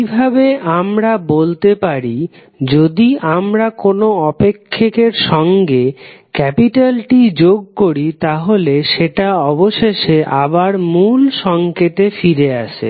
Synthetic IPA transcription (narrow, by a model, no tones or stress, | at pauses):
ibʱabeʔamɾabolt̪epaɾi | d͡ʑod̪iʔamɾakonoɔpekʰːekeɾʃɔŋɡekɛpiʈalʈid͡ʑoɡ̚koɾit̪aɦoleʃeʈaɔboʃeʃeʔabaɾmulʃɔŋket̪efiɾeaʃʰḛ